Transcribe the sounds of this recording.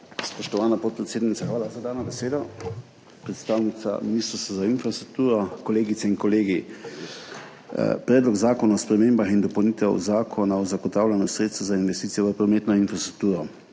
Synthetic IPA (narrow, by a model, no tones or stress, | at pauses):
spɔʃt̪ɔʋaːnapɔt̪̚pɾɛt̪seːd̪nit̪saxʋaːlazad̪aːnɔbɛseːd̪ɔ | pɾɛt̪st̪aːwnit̪sa̰miniːst̪ɾst̪ʋazainfɾast̪ɾuk̚t̪uːɾɔkɔleːɡit̪sɛinkɔleːɡi | pɾɛːd̪lɔɡzaːkɔnaɔspɾɛmeːmbaxind̪ɔpɔwniːt̪ɛ̰wzaːkʰɔnaɔzaɡɔt̪aːwlʲanɔsɾet̪st̪ʋɔzainʋɛst̪iːt̪ijɛʋəpɾɔmeːt̪nɔinfɾast̪ɾu̥k̚t̪uːɾɔ